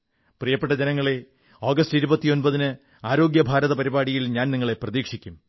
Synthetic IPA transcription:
prijɐpːeʈːɐd͡ʑenɐŋːɐɭe̞ | o̞ːɡɐstiɾubɐt̪ːijo̞nbɐðinɨ | aːɾo̞ːɡjɐbʱaːɾɐðɐpɐɾibaːɽijilɲaːnniŋːɐɭe̞prɐðiːkʂikʲːum

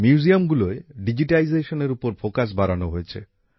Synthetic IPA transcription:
mjuuziamɡuloeɖid͡ʑiʈalizeʃoneɾupoɾfokaʃ̬baɾanoɦojet͡ɕʰḛ

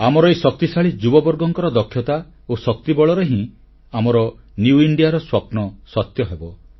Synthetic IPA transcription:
amɔɾɔesɔk̚t̪isaɭid͡ʒubɔbɔɾɡɔŋkɔɾɔd̪ɔkʰjɔt̪a | osɔk̚t̪ibɔɭɔɾeɦĩ | amɔɾɔ | njuiɳɖijaɾɔswapnɔsɔt̪jɔɦebɔ

